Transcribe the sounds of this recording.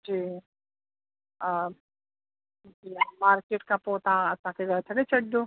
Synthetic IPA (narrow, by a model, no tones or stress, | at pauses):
d͡ʑiː | d͡ʒiːmaːɾkeːʈkãpoːt̪aãɐsãkʰeɡɐt̪ʰɐɽet͡ʃʰɐɽd̪oː